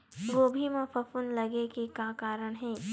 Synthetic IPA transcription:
ɡoːbʱimẽpʰɐfʊnlɐɡekekakaːɾəɽ̃ɦɛː

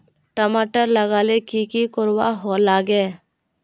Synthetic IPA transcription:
ʈəmaːʈəɾləɡaːlekikikʊɾwa̰ɦolaːɡeː

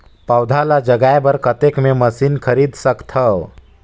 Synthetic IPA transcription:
pawd̪ʱalad͡ʒəɡajbəɾkət̪ekmẽməsinkʰəɾid̪səkt̪ʰəw

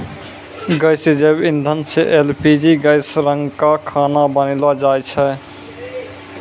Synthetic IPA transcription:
ɡəjsed͡ʒəbind̪ʱənseʔelpʰid͡ʒiɡəɪsɾəŋɡkakʰanabənlad͡ʒajt͡ʃʰɛ

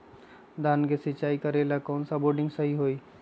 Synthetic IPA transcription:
d̪aːnɡesɪt͡ʃaːikəɾelakɔːnsaboːɾɖɪ̃ŋɡsəɦiɦoːiː

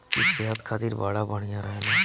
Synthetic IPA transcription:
kiseɦət̪kʰaːt̪iɾbaːɽabəɽ̃ijãɾəɦene

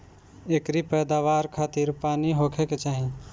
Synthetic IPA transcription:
ekɾipɛːd̪aːʋaːɾkʰaːt̪iɾpaːniɦokʰeket͡ʃaːɦĩ

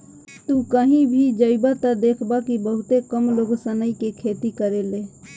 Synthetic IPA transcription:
t̪ukəɦĩbʱid͡ʒəɪbat̪ad̪eːkʰbakibəɦʊt̪ekəmloːɡsənəikekʰeːt̪ikəɾeleː

